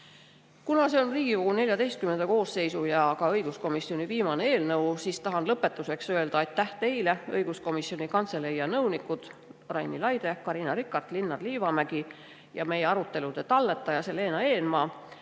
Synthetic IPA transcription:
kunɑse̞onriːɡ̥iko̞ɡ̥une̞lʲjɑd̪e̞jst̪̚kyme̞nd̪̥ɑko̞ːsːe̞jsujɑkɑɤjɡ̥usko̞misio̞niviːmɑnee̞ːlnɤwsist̪ɑɦɑnlɤpːˑe̞t̪ːˑuse̞ksøe̞ld̪̥ɑɑjt̪ːˑæht̪e̞jle̞ɤjɡ̥usko̞misio̞nikɑnt̪se̞lejɑnɤwnikud̪̥rɑjnilɑjd̪̥e̞kɑɾinɑɾikːˑɑrt̪linːɑrliːvɑmæɡ̥i | jɑme̞jeɑɾut̪ːˑe̞lud̪̥e̞t̪ɑlːe̞t̪ːˑɑjɑse̞le̞ːnɑe̞ːnmɑː

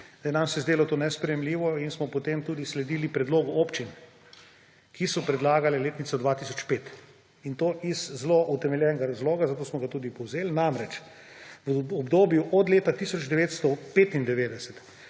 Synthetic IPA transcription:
d̪ajɛnamsɛzd̪eːlɔt̪oːnɛspɾɛjɛmliːʋɔinsmɔpɔt̪emt̪uːd̪islɛd̪iːlipɾɛd̪loːɡɔʔoːpt͡ʃin | kʰisɔpɾɛd̪laːɡalɛleːt̪nit̪t͡s̪sɔd̪ʋat̪isɔt͡ʃpeːt̪ | int̪oːʔizːloʔut̪ɛmɛljɛnɡaɾazloːɡazat̪oːsmɔɡat̪uːd̪ipɔwzeːlnamɾɛt͡ʃ | ʋəɔbd̪oːbjuʔɔd̪leːt̪at̪isɔd͡ʒd̪ɛʋeːt̪st̪ɔpeːt̪ind̪ɛʋeːd̪ɛsɛt̪

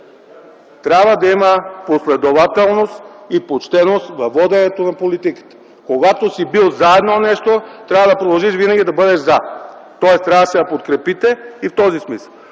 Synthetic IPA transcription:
t̪ɾʲabvəd̪ɐiməposlɛd̪ovat̪ɛlˠnost̪ipot͡ʃt̪ɛnost̪vɐvːɔd̪ɛnɛt̪onɐpolit̪ikə̥t̪ə̥ | koɡat̪osibilˠzaɛd̪nonɛʃt̪ot̪ɾʲavəd̪ɐpɾod̪ɐlˠʒiʃvinɐɡʲid̪ɐbɤd̪ɛʃzat̪ɔɛst̪ɾʲavəsɛj̪ɐpot̪kɾɛpit̪ɛift̪ɔzismisəlˠ

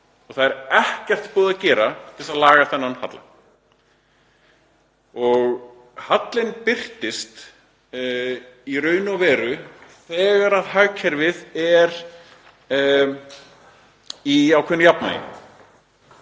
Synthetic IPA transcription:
ɔɣθaðɛɾɛhcɛr̥t̪pɔːðacɛːɾat̪ʰɪlsaðlaːɣaθɛnːanhat̪la̰ | ɔɣ | hat̪lɪnpɪr̥t̪ɪst̪ | iɾœːɥnɔvɛːɾʏθɛːɣaɾaðhaɥcʰɛɾvɪðɛɾ | iawkʰɛnːʏjapna̰jɪ̰

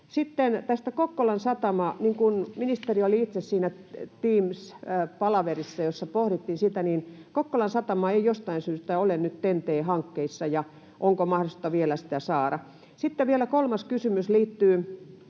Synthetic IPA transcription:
sit̪ːent̪æst̪ækokːolɑnsɑt̪ɑmɑniŋkunminist̪erioliit̪sessiːnæt̪iːmspɑlɑʋerisːɑjosːɑpohrit̪ːinsit̪æninkokːolɑnsɑt̪ɑmɑeijost̪ɑinsyːst̪æolennyt̪t̪ent̪eːhɑŋkːeisːɑjɑ | ʔoŋkomɑhdost̪ːɑʋielæsi̥t̪æsɑːɾɑ | sit̪ːeʋielækolmɑskysymysliːt̪ːyː

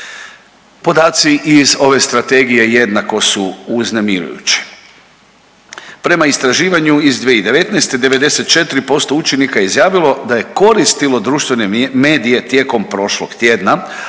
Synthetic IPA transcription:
po̞d̪aːt̪siʔizo̞ʋe̞st̪ɾat̪e̞ɡije̞je̞d̪nako̞suuznemiɾṵjṵt͡ɕi̥ | pɾe̞maist̪ɾaʒiːʋaɲuizd̪ʋieid̪e̞ʋe̞t̪nɛjst̪ed̪e̞ʋe̞d̪e̞se̞t̪̚t͡ʃe̞t̪ɾipo̞st̪o̞ut͡ʃenikajeizjaːʋilˠo̞d̪aje̞ko̞ɾist̪ilo̞d̪ɾuːʃt̪ʋeneme̞ːd̪ije̞t̪je̞ːko̞mpɾo̞ʃloɡt̪je̞ːd̪na

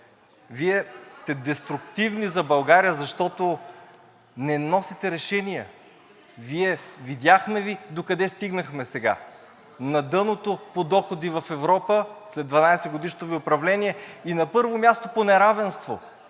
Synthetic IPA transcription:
viɛst̪ɛd̪ɛst̪ɾʊkt̪ivnizɐbɐlˠɡaɾijəzɐʃt̪ɔt̪o | nɛnɔsit̪ɛɾɛʃɛniɛ | viɛvid̪ʲjaxmɛvid̪okɐd̪ɛst̪iɡnɐxmɛsɛɡa̰ | nɐd̪ɤnot̪opod̪ɔxod̪ivɐfɛvɾɔpəslɛd̪vɐnajsɛɡod̪iʃt̪oviʊpɾɐvlɛnʲiɛinɐpɤɾvomʲast̪oponɛɾavɛnst̪vo̰

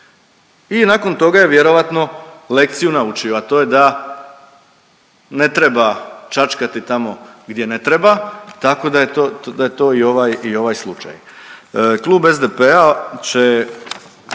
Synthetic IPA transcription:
inako̞nt̪o̞ɡaje̞ʋje̞ɾo̞ʋat̪nole̞k̚t̪sijunaut͡ʃioat̪o̞je̞d̪a | ne̞t̪ɾebat͡ʃat͡ʃkat̪it̪amo̞ɡd̪je̞ne̞t̪ɾe̞bat̪ako̞d̪ajet̪od̪ajet̪o̞ːio̞ʋajio̞ʋajslˠut͡ʃa̰j | klˠuːbe̞zd̪epeat͡ɕe

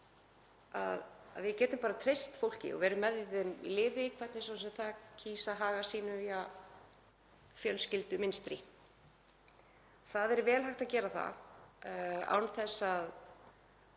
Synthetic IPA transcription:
a̰ða̰ðvɪcɛːt̪ʏmpaːɾat̪ʰɾejst̪fowl̥cɪ̰ɔ̰vɛːɾʏmːɛðjðɪmḭlɪːvɪikʰvɛt̪nɪsɔnsɛt̪θacʰiːsaɦaːɣasiːnʏvia | fjœlscɪlt̪ʏmɪnst̪ɾi | θaðɛɾvɛːlɦajxt̪acɛːɾaθa̰ | a̰ːwnθɛsːað

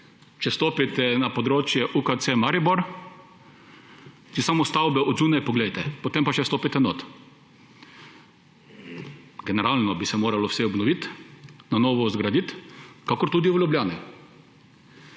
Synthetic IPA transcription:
t͡ʃɛst̪oːpit̪ɛnapɔd̪ɾoːt͡ʃjɛʔukat̪semaɾiboɾ | t͡ʃɛsamɔst̪awbɛʔɔd̪zuːnajpɔɡlɛjt̪ɛpot̪empaʃɛst̪oːpit̪ɛnot̪ | ɡɛnɛɾalnɔbisɛmoːɾalɔwsɛɔbnɔʋit̪nanoːʋɔzɡɾad̪it̪kakɔɾt̪uːd̪iʋlʲjublʲjaːni

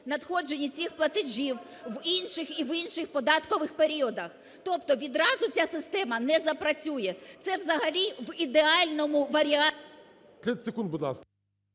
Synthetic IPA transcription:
nɐd̪xɔd͡ʒe̞nʲːit͡sʲixplˠɐt̪ɪʒʲiw | ʋinʃɪxiʋinʃɪxpɔd̪ɑt̪kɔʋɪxpeɾʲiɔd̪ɐx | t̪ɔpt̪ɔʋʲid̪ɾɑzʊt͡sʲasɪst̪ɛmɐnɛzɐpɾɐt͡sʲujɛt̪sɛʋzɐɦɐlʲiʋid̪eɑlʲnɔmʊʋɐɾʲiɑ | t̪ɛsekund̪bʊd̪lˠɑ̰sk

